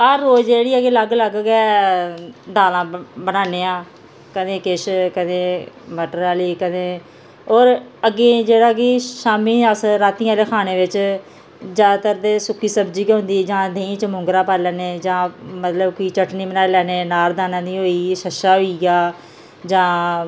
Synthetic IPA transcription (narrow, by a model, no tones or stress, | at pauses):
əɾːoːd͡ʒd͡ʒeːɽiːəɡeːləɡləɡɡɛː | d̪aːlãːbənaːneːãː | kəd̪ẽːkɪʃkəd̪ẽːməʈɾaːliːkəd̪ẽː | ɔːɾəɡeːd͡ʒeːɽaːkiʃaːmĩːəsɾaːt̪iːãːleːkʰaːneːʋɪt͡ʃ | d͡ʒaːd̪at̪əɾd̪eːsʊkʰːiːsəbd͡ʒiːkːɦʊ̃nd̪iːd͡ʒãːd̪ẽːĩːt͡ʃmʊ̃ŋɡɾãːpaːlɛːneːd͡ʒãːmət̪ləbkiːt͡ʃəʈniːmənaːelɛːneːnaːɾd̪aːnãːd̪iːɦoːiːʃəʃaːɦoiːɡaː | d͡ʒãː